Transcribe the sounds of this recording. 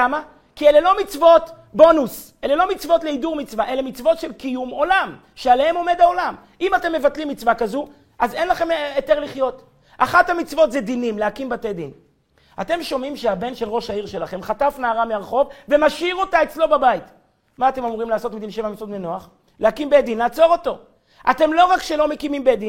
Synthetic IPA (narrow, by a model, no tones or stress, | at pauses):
ama | kiele̞lo̞mit͡svo̞t | bo̞nus | ele̞lo̞mit͡svo̞tleiduʁmit͡svaʔe̞lemit͡svo̞tʃe̞lkijumo̞lam | ʃeale̞he̞mo̞me̞dao̞lam | imate̞mːe̞vat̪limːit͡svakazu | ʔaze̞nlaχe̞meteʁliχjo̞t | ʔaχathamit͡svo̞tzed̪inimlehakimbated̪in | ate̞mʃo̞mimʃeabe̞nʃe̞lʁo̞ʃaiʁʃe̞laχe̞mχatafnaːʁameaʁχo̞vve̞maʃiʁo̞tae̞t͡slo̞babait | maːte̞mamuʁimlaːso̞tmid̪inʃe̞vamit͡svo̞t̪menoaχ | lehakimbed̪inlaːt͡so̞ʁo̞to̞ | ʔate̞mlo̞ʁakʃelo̞me̞kimimbed̪in